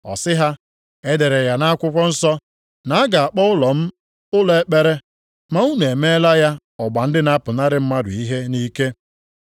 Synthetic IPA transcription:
ɔ̰˨sɪ˦ɦa˦ | e˦de˨ɾe˨ja˨na˦a˦kʷʊ˦kʷɔ˦n̩˦sɔ˦ | na˨a˦ɡa˨a˨k͡pɔ˦ʊ˦lɔ˨m̩˦ | ʊ˦lɔ˨e˦k͡pe˦ɾe˦ | ma˨u˦ne˨e˨me˦la˦ja˦ | ɔ˨ɡ͡ba˨n̩˦dɪ˦na˦pʊ˨na˦ɾɪ˦m̩˦ma˦dʊ̰˨i˦ɦe˦ni˦ke˦

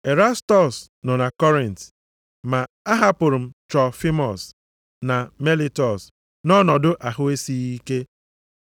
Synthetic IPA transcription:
e˨ɾa˦stɔ˨s | nɔ˨na˨kɔ˦ɾi˨n˨t | ma˨ | a˦ɦa˦pʊ˨ɾʊ˨m̩˦t͡ʃɔ˨fi˦mɔ˨s | na˨me˦li˦tɔ˨s | nɔ˦nɔ˨dʊ˦ʔa˨ɦʊ˦e˦si˦i˦ke˦

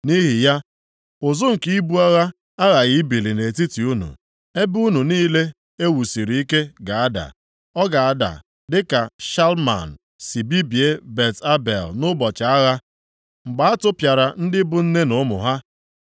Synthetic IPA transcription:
ni˦ɦi˨ja˦ | ʊ˨zʊ˦ŋ̩˨ki˦i˦bu˦a˦ɣa˦ | a˦ɣa˨ɣi˦bi˨li˨ne˨ti˦ti˨u˦nṵ˨ | e˦bu˦nu˨niː˦le˦ | e˦wu˨si˨ɾi˨˦i˦ke˦ɡa˨a˦da̰˨ | ɔ˦ɡa˨a˦˨da̰˨ | dɪ˦ka˨ʃa˦lma̰˨n˨ | si˨bi˦bi˨e˦be˨ta˦bḛ˨lnʊ˦bɔ˨t͡ʃa˨a˦ɣa˦ | ŋ͡m̩˨ɡ͡ba˦a˦tʊ˦pja˨ɾa˨n̩˦dɪ˦bʊ˦n̩˦ne˦nʊ˨˦mʊ̰˨ɦa˦

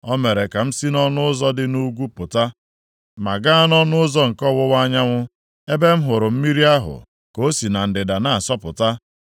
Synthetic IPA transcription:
ɔ˦me˨ɾe˨ka˨m̩˦si˦nɔ˦nʊ˦ʊ˦zɔ˦dɪ˦nu˦ɡʷu˦pʊ˨ta˦ | ma˨ɡa˦a˦nɔ˦nʊ˦ʊ˦zɔ˦ŋ̩˨kɔ˦˨wʊ˦wa˦ɲa˦ŋʷʊ˦ | e˦be˦m̩˦ɦʊ˨ɾʊ˨m̩˦mi˦ɾi˦a˦ɦʊ̰˨ | ko˦si˨na˨n̩˨dɪ˨da˨na˨a˨sɔ˦pʊ˨ta˦

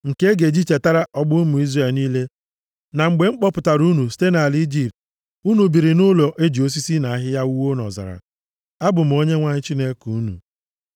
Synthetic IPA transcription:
ŋ̩˨ke˦ɡe˨d͡ʒi˦t͡ʃe˨ta˦ɾa˦ʔɔ˦ɡ͡bʊ˦mʊ˨i˦zre˨lniː˦le˦ | na˨ŋ͡m̩˨ɡ͡be˨ŋ͡m̩˦k͡pɔ˦pʊ˨ta˨ɾu˦nu˨si̥˦te˦na˨li˦d͡ʒi˨pt | u˦nu˨bi˨ɾi˨nʊ˦lo˨ʔe˦d͡ʒi˨o˦s̬i˦si˦na˨a˦ɦɪ˦ja˦u˦wo˦nɔ̰˨za̰˨ɾa̰˨ | a˦bʊ˨m̩˨o˦ɲe˦ŋʷa˦ɲɪ˦t͡ʃi˦ne˦ku˨u˦nṵ˨

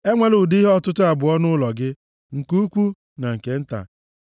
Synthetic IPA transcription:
e˦ŋʷe˦lu˨di˦ɦɔ˦tʊ˦tʊ˦a˨bʊ˨ɔ˦nʊ˦lɔ˨ɡɪ˦ | ŋ̩˨ku˦u˦kʷu˦ | na˨ŋ̩˨ke˨n̩˦ta̰˨

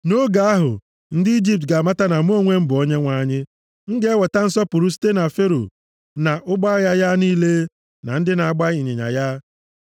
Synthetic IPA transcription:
no˦ɡa˨a˦ɦʊ̰˨ | n̩˦dɪ˦i˦d͡ʒi˦p̚t̬ɡa˨ma˦ta˦na˨m˦o˦ŋʷe˦m̩˦bʊ˨o˦ɲe˦ŋʷa˨ɲɪ˦ | ŋ̩˦ɡe˦e˦wɔ˨ta˦n̩˦sɔ˦pʊ˨ɾu˦si̥˦te˦na˨fe˦ɾo̰˨ | na˨ʔʊ˦ɡ͡ba˦ja˦ja˦niː˦le˦ | na̰˨n̩˦dɪ˦na˨a˨ɡ͡ba˦i˨ɲɪ˨ɲa̰˨ja˦

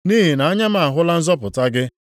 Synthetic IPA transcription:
ni˦ɦi˨na˨a˦ɲa˦ma˨a˨ɦʊ˦la˦n̩˦zɔ˦pʊ˨ta˦ɡɪ˦

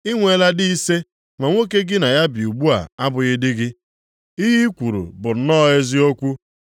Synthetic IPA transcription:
i˦ŋʷe˦la˦di˦i˦se˦ | ŋʷa˨ŋʷe˦ke˦ɡɪ˦na˨ja˦bi˨u˨ɡ͡bu˦a̰˨a˦bʊ˨ɣɪ˦dɪ˦ɡɪ˦ | i˦ɦi˦kʷu˨ɾṵ˨bʊ˨n̩˦nɔ˦e˦zi˦o˦kʷu˦

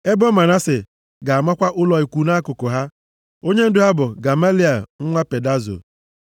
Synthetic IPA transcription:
e˦bo˦ma˨na˦sɪ˨ | ɡa˨a˨ma˦kʷa˦ʔʊ˦lɔ˨i˨kʷu˨na˦kʊ˨kʊ˨ɦa˦ | o˦ɲe˦n̩˦dʊ˦ɦa˦bʊ˨ɡa˨ma˦li˦a˨ŋ̩˦ŋʷa˦pe˨da˦zo̰˨

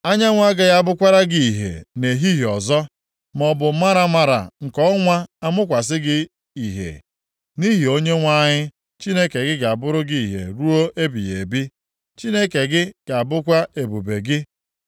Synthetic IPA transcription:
a˦ɲa˦ŋʷa˦ɡa˨ɣa˦˨bʊ˦kʷa˦ɾa˦ɡi˦i˨ɦḛ˨ne˨ɦi˦ɦi˨ɔ˨zɔ˦ | m˨ɔ˨bʊ˨˦ma˦ɾa˦ma˦ɾa̰˨ŋ̩˨kɔ˦ŋʷa˦a˦mʊ˦k̬ʷa˨s̬ɪ˦ɡɪ˦ | i˨ɦḛ˨ | ni˦ɦi˨o˦ɲe˦ŋʷa˦ɲɪ˦ | t͡ʃi˦ne˦ke˨ɡɪ˦ɡa˨bʊ˦ɾʊ˦ɡi˦i˨ɦḛ˨ɾu˦o˦e˦bi˨jḛ˨bi˦ | t͡ʃi˦ne˦ke˨ɡɪ˦ɡ̥a˨bʊ˦kʷa˦e˨bu˨be˨ɡɪ˦

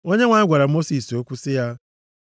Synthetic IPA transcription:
o˦ɲe˦ŋʷa˨˦ɡʷa˨ɾa˨mo˦si˨so˦kʷu˦sɪ˦ja˦

